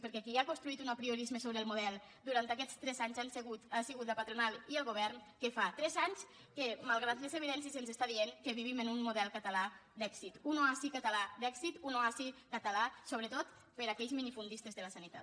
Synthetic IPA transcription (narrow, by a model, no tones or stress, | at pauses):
pəɾkɛakiakunst̪ɾuit̪unapɾioɾizmesoβɾeəlˠmuðɛlˠ | d̪uɾant̪akɛt͡st̪ɾɛzaɲzanseɣut̪asiɣut̪əpat̪ɾunalˠiəlˠɣoβ̞ɛɾnkefat̪ɾɛzaɲs | kemalˠɣ̞ɾat̪lezeβiðɛns̬jezenzest̪aðieŋkeβiβimənunmuðɛlˠkət̪əlad̪ɛksit̪unoasikət̪əlad̪ɛksit̪unoasikət̪əlasoβɾət̪ot̪ | pəɾakɛʎzminifund̪ist̪ezðələsanit̪a̰t̪